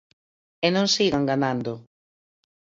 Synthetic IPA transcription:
enõŋsiɣaŋɡanand̪o

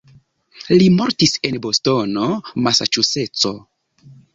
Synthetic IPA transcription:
limo̞ɾtise̞nbosto̞no̞masa̰t͡ʃuse̞t͡so̞

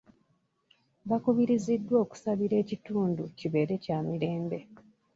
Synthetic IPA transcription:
βakuβiɾizidːwo̞ːku̥saβiɾe̞ːcituːnduciβe̞ːɾe̞caːmiɾe̞ːmbe̞

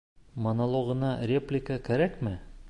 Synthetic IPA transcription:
monɐlˠoɣɤ̆nɑrʲeplʲɪkəkæɾækmɘ

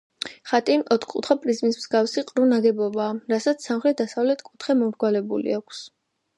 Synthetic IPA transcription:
χat̪ʼinɔt̪ʰkʼut̪ʰχapʼɾizmismz̥ɡafsiqʼɾunad̪ɛbɔbaːɾasat̪sʰsamχɾɛt̪̚ʰd̪asavlɛt̪ʰkʼut̪ʰχɛmɔmɾɡwalɛbṵlḭakʷʰs

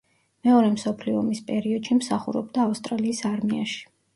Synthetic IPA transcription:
mɛɔɾɛmsɔpʰliɔmispʼɛɾiɔd̪̥ʃimsaχṵɾɔ̰b̚d̪aːfst̪ʼɾaliːsaɾmia̰ʃi̥

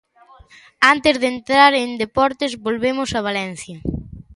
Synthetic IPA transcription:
ant̪ɪzðent̪ɾaɾend̪epɔɾt̪ezβolβemʊsɐβ̞alɛn̟θjɐ

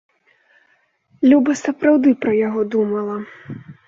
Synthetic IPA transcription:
lʲubɐsɐpɾawd̪ɨpɾɐjaɣɔd̪umɐlˠɐ

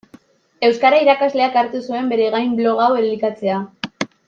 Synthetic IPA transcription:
e̞wskaɾaiɾakazle̞akaɾt̪usue̞mbe̞ɾe̞ɣajmblo̞ɣaweɾlikat͡se̞a

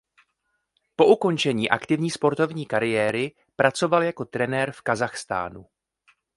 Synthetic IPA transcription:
po̞ʔuko̞nt͡ʃɛɲiːʔa̰kt̪ɪvɲiːspo̞ɾt̪o̞vɲiːkaɾɪjɛːɾɪ | pɾat͡so̞valjako̞t̪ɾɛnɛːɾfkazaxst̪a̰ːnṵ

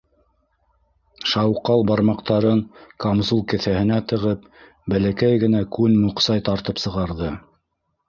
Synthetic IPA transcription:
ʃɑwqɑlˠbɑɾmɑqt̪ɑɾɤɴkomzulˠkɘ̆θæhɘ̆næt̪ɤ̆ʁɤp̚ | bælækæjɡɘ̆nækʉnmuqsɑjt̪ɑɾt̪ɤpsɤ̆ʁɑɾðɤ

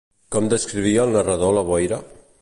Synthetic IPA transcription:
kɔmd̪əskɾiβ̞iəːlˠnərəðoləβɔjɾə

